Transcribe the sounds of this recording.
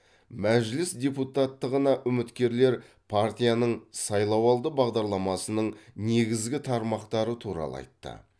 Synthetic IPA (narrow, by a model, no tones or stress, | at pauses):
mæʒlɪsd̪ʲe̞put̪at̪ːəʁənɑʔʏmɪt̪kʲe̞ɾle̞ɾ | pʰart̪ʲijanəɴsɑjlˠɑwɑlˠd̪əbɑʁd̪ɑɾlˠɑmɑsənəɴne̞ɡʲɪzɡʲɪt̪ʰɑɾmɑqt̪ɑɾət̪ʰuɾɑ̰lˠə̰ɑ̰jt̪ːə̰